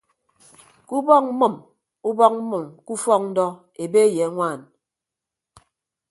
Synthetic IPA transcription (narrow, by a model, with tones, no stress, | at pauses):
ku˦bɔ˦k̚m̩˦mə˨m | u˦bɔ˦k̚m̩˦mɨ˨mku˦fɔ˦k̚n̩˦dɔ˦ | e˨be˦je˨a˦ŋʷaː˦˨n